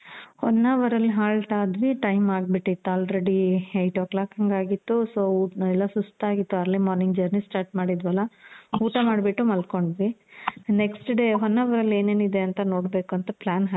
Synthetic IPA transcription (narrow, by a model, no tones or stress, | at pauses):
hɔnːaːʋɐɾɐlːiɦaːɭʈ̪aːd̪ʋiʈɐjmaːɡ̚biʈːit̪ːaːlɾeɽiejʈoːklaːkɐŋɡaːɡit̪ːusoːɛlːɐsust̪aːɡit̪ːuɐɾlimɔːɾniŋɡd͡ʒɐɾnisʈaːɾʈmaːɽid̪ʋɐlɐuːʈɐmaːɽbiʈːumɐlko̞ɳɖʋineksʈɖe̞ɦɔnːaːʋɐɾɐle̞ːneːnid̪e̞ɐnt̪ɐno̞ːɽbe̞ːkuɐnt̪ɐplaːnɦa